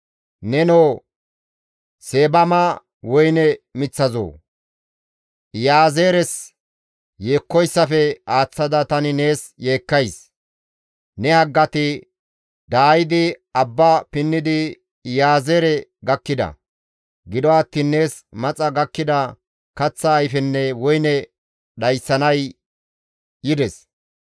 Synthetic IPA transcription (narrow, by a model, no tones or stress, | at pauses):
nɛnoː | seːbɐma | wɔjnɛmɪt͡sːɐzo̰ː | jaːzeːɾɛs | jeːkːɔjsːɐfɛaːt͡sːɐd̪ɐt̪ɐnɪne̞ːsje̞ːkːɐjs | nɛhɐɡːɐt̪ɪ | d̪aːjɪd̪ɪɐbːapɪnːɪd̪ɪ | jaːzeːɾɛɡɐkːɪd̪ɐ̰ | ɡɪd̪ɔwat̪ːinːe̞ːs | mɐt͡sʼɐɡɐkːɪd̪ɐ | kɐt͡sːɐːjfɛnːɛwɔjnɛ | ɗɐjsːɐnɐj | jɪd̪ɛs